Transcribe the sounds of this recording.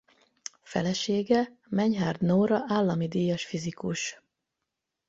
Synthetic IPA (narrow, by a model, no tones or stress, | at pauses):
fɛ̰lɛʃeːɡɛ | mɛɲɦaːrd̪noːɾɒʔaːlːɒmid̪iːjɒʃfizikuʃ